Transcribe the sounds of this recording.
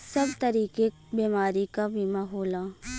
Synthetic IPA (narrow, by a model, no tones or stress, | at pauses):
sɐbt̪ɐɾiːke | biːmaːɾikabʱimaɦoːlaː